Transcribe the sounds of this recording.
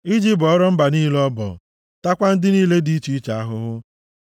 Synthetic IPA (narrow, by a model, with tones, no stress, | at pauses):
i˦d͡ʒi˦pɔ˦ɾɔ˦m̩˦ba˨niː˦lɔ˦bɔ̰˨ | ta˦kʷa˦n̩˦dɪ˦niː˦le˦di˦t͡ʃi˦t͡ʃa˨a˦ɦʊ˦ɦʊ˦